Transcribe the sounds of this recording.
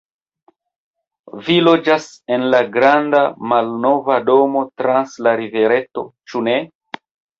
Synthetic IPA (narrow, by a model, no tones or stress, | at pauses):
vilo̞d͡ʒasenlaɡɾandamalno̞vado̞mo̞tɾanslaɾive̞ɾe̞to̞̰t͡ʃune